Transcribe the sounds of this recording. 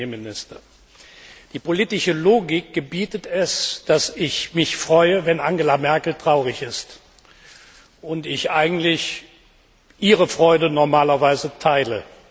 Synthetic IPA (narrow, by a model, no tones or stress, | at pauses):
emɪnɪstɐ | d̥iːpoliːtɪʃəloːɡɪk̚ɡ̥əbiːtətɛsd̥asɪçmɪçfʁ̥ɔʏəvɛnʔaŋɡəlamɛɐkl̩tʁ̥aʊʁɪçɪst | ʔʊntɪçʔaɪɡŋ̩tlɪç | ʔiːʁəfʁ̥ɔʏdənɔɐmaːlɐvaɪzətʰaɪlə